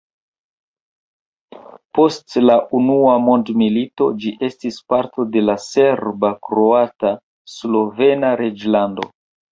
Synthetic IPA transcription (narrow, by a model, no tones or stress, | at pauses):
po̞stlaʔunuamondmilito̞d͡ʒiʔe̞stispaɾto̞de̞lase̞ɾbakɾo̞ata | slo̞ve̞naɾed͡ʒlando̞̰